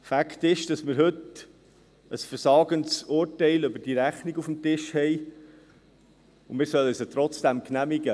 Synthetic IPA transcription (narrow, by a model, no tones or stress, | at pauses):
fækt̪ɪʃd̥ɑsmɪɾɦɵt | əsfəɾsɑːɡənsʊːɾtɛɪlʏbəd̥iɾæχniɡufmtɪʃhɛɪ | ʊmɪːɾsœlsət̪ɾɔt͡sd̥æmknæmiɡə